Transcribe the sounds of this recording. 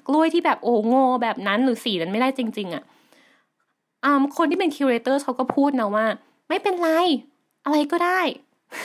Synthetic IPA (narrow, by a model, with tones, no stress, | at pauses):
klu˥˩əjt̪ʰiː˥˩bɛː˨˩p̚ʔoː˧˩ŋoː˧˩bɛː˨˩p̚na˦˥nɾɯː˩˦siː˨˩˦na˦˧nma˥˩jdaː˥˩jt͡ɕi˧ŋt͡ɕi˧ŋʔa˨˩ | ʔɤː˧mkʰo˧nt̪ʰi˥˩e˧nkʰiː˧ɾeː˧t̪ɤː˥˩kʰa˦˥wkɔː˥˩pʰuː˥˩t̪̚na˦˥waː˥˩ | ma˥˩jpe˧nla˧j | ʔa˧ɾa˧jkɔː˥˩daː˥˩j